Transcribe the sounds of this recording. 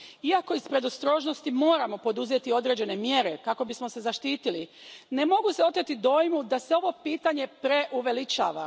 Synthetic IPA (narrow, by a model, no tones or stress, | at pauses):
iako̞ispɾe̞d̪o̞st̪ɾo̞ːʒno̞st̪imo̞ːɾamo̞po̞d̪uzet̪io̞d̪ɾe̞ːd͡ʑe̞ne̞mje̞ɾe̞kako̞bismo̞se̞zaʃt̪iːt̪ili | ne̞mo̞ɡuseo̞t̪ɾet̪id̪o̞jmud̪ase̞o̞ʋo̞piːt̪aɲe̞pɾe̞ʔuʋe̞lit͡ʃa̰ːʋa̰